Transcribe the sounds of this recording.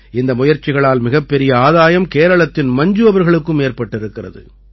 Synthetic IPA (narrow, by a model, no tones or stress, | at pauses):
ɪnd̪ɐmʊjɐɾt͡ʃːɪɣɐɭaːlmɪɣɐpːɛɾɪjɐaːðaːjɐmkeːɾɐɭɐt̪ːɪnmɐɲd͡ʒɯʋɐʋɐɾɣɐɭɯkːɯmeːɾpɐʈːɪɾɯkːɪrɐ̰ðɯ̰